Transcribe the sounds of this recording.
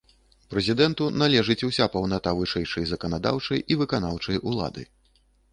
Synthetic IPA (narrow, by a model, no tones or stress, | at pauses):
pɾɛzʲid̪ɛnt̪unalʲɛʐɨt͡sʲusʲapɐwnat̪avɨʂɛjt͡ʂɐjzɐkɐnad̪a̰wt͡ʂɐjʔivɨkanawt͡ʂɐjʔulˠa̰d̪ɨ̰